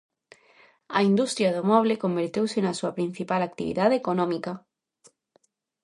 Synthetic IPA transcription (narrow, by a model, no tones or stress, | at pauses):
ɐind̪ust̪ɾjɐðʊmɔβ̞lekombeɾt̪ewsɪnɐsuɐpɾin̟θipalak̚t̪iβḭðaðeːkonɔmikɐ